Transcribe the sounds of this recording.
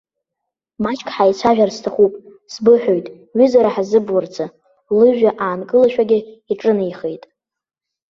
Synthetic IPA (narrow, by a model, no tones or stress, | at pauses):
mat͡ʃʰʼkʰʼħajt͡sʷʰaʒᶣarstʰaχupʼ | sbɨħᶣojtʼ | ɥʏzaɾaħazɨbwart͡sʰa | lɨʒᶣaʔaːnkʼɨlaʃᶣaɡʲɪiʈ͡ʂʼɨnɨjχejtʼ